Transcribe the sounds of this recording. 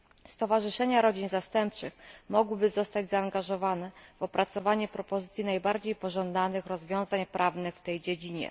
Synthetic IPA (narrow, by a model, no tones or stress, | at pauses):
st̪ɔvaʐɘʂɛɲaɾɔd͡ʑinzast̪ɛmpt͡ʂɘxmɔɡwɘbɘzɔst̪ad͡ʑzaːŋɡaʐɔvanɛv̥ɔpɾʔat̪sɔvaɲɛpɾɔpɔzɘt̪sʲjinajbaɾd͡ʑejpɔʐɔnd̪anɘxɾɔzvʲjɔ̃w̃zaɲpɾʔavnɘxft̪ɛjd͡ʑed͡ʑiɲɛ̰